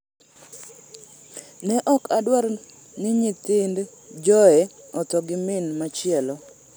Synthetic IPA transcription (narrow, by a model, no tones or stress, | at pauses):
nɛʔɔkadwaɾ | nɪɲit̪ɪnd | d͡ʒɔɛ | ɔt̪ɔɡɪmɪnmat͡ʃɪɛlɔ